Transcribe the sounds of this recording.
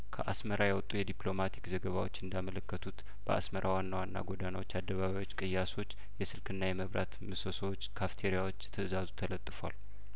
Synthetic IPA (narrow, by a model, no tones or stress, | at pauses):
kʰəʔa̰sməɾajawɔt̪ʼːujɛd̪iplo̞mat̪ʰi̥kzəɡəβawo̞̰t͡ʃːɨnd̪amələkːət̪ʰut̪ | b̥əʔa̰sməɾʔawanːawanːa̰ɡo̞danawot͡ʃːad̪ːəβaβawo̞t͡ʃːkʼɨjːaso̞t͡ʃː | jɛsɨlkʰɨnːajɛməβɾa̰t̪mɨsosəwot͡ʃːkʰaft̪ʰeɾijawo̞t͡ʃːt̪ʰəzazut̪ʰələt̪ʼːɨfwa̰l